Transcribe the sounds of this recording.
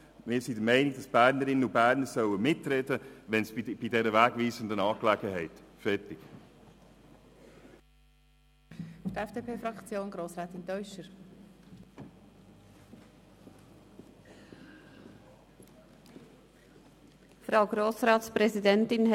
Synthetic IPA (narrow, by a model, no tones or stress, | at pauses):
mɪːɾsidəmɛɪnɪɡ̚d̥ɑsb̥æːɾnəɾɪnənʊbæːɾnəɾsœwəmɪtɾɛdəʋɛnsb̥idɛɾəvæːɡviːzəndənɑːklɛɡəɦɛɪtfɛtɪk | fd̥ɛfd̥eːpʰeːfɾɑkt͡sjoːnɡɾoːsɾɛːt̪ɪntɔʏʃəɾ | fɾaʊɡɾoːsɾɑːtspɾɛzidɛntɪnɦ